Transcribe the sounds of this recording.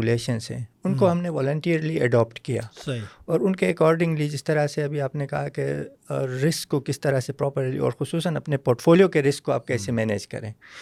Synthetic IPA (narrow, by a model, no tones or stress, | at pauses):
leːʃənsɦɛ̰̃ʊnkoɦɐmneʋɔːlə̃ɳʈiːəɾliɛɖɔːpʈkija̰ːsɐiɔːɾʊnkeɛkɔːɾɖɪ̃ŋɡlid͡ʒɪst̪ɐɾaseɐbʱiaːpnekɐɦake | ɾɪskːokɪst̪ɐɾasepɾɔːpəɾlḭɔ̰ːɾxʊsuːsənɐpnepoːɾʈfʰoːlijokeɾɪskːoaːp̚kɛːsemɛːnḛːd͡ʒkɐ̰ɾẽː